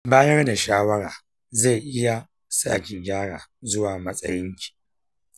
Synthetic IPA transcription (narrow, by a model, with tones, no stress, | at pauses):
baː˦jɐ˦rda˨ʃaː˦wɐ˦ɽaː˨ | ze˦˨jʔɪ˦ja˨ | sa̰ː˦˨kʲi˨ɡʲaː˦ɽaː˨zʊ˦waː˨mɐ˦sʼɐ̰˦jɪ˦ŋkʲi̥ː˨